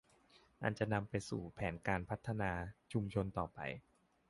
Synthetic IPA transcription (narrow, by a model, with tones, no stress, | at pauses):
ʔa̰˧˩nt͡ɕa˨˩na˧mpa˧jsṵː˨˩pʰɛː˩˦nkaː˧npʰa˦˥t̪ʰːa˧naː˧t͡ɕʰu˧mt͡ɕʰo˧nt̪ɔː˨˩pa̰˨˧j